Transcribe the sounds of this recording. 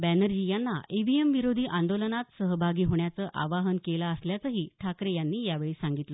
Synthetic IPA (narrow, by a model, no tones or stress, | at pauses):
bænəɾd͡ʑijanːaeʋiemʋiɾod̪ʱiːʔãnd̪olənat̪səɦəbʱaɡiːɦoɳjat͡səːʔa̰ʋaɦənkelaəsljat͡səɦiːʈʰakɾejanːiːjaʋeɭiːsaŋɡit̪lə